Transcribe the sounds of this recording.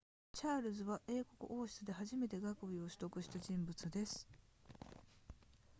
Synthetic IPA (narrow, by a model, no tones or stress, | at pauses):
t͡ɕaːɾɯ̟zɨβaʔe̞ːko̞kɯ̟̰ʔo̞ːɕi̥t͡sɨd̪e̞ɦaʑime̞t̪e̞ɡakɯ̟bʲio̞ɕi̥t̪o̞kɯ̟ɕi̥t̪aʑĩmbɯ̟t͡sɨd̪e̞sɨ̥